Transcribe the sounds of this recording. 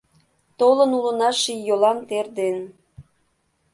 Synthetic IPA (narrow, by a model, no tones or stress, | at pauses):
t̪olənulə̆nɑʃijolɑnt̪erd̪en